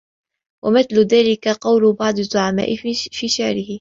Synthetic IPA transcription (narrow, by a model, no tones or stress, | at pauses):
wʔa̰mɪθlʊðaːlɪkaqɑwlʊbɑʕd̪ˤɨzːʊʕama̰ːʔɪfiːʃaʕɾɪɦɪ